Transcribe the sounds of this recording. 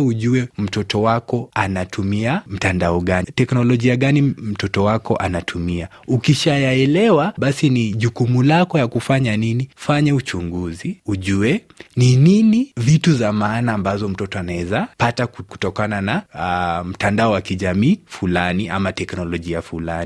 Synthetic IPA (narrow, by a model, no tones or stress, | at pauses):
uʄuɛm̩tɔtɔwakɔanatʰumiam̩tandaɔɠanitɛknɔlɔʄiaɠanim̩tɔtɔwakɔʔanatʰumia | ukiʃajaɛlɛwaɓasiniʄukumulakɔjakufaɲaninifaɲɛut͡ʃuŋɡuziuʄuɛ | nininivituzamaːnaːmbazɔm̩tɔtɔanaɛzapataku̥tɔkanana | m̩tandaɔwakiʄamiːfulaniʔa̰matɛknɔlɔʄiafulani